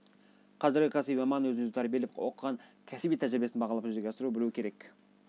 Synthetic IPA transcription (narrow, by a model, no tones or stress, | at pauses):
qʰɑzɪɾɡʲɪkʰɑsimɑmɑnwɵznezt̪ɑɾbelefwoqəʁɑŋkʲʰæsbijt̪ʰæʒɪɾɪbeɪnbɑʁɑlˠɑpʒʏzd̪eɡʲɑsəɾubɪluwɪkʰʲe̞ɾe̞k